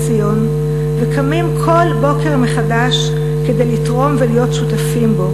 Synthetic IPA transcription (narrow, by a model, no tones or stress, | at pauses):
sijo̞n | vekamimkʰo̞lbo̞ke̞ʁme̞χadaʃ | ke̞de̞jlitʁo̞mvelijo̞tʃutafimbo̞